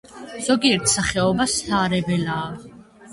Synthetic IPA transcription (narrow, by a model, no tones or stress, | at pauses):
z̥ɔɡiɾt̪ʰsaχɛɔbast̪ʰaːɾɛbɛlaː